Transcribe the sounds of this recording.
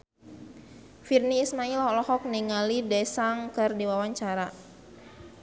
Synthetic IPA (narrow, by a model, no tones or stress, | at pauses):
firniːsmailhlɔhɔk̚niŋalidɛsaŋkɨrdiwawaɲt͡ʃaɾa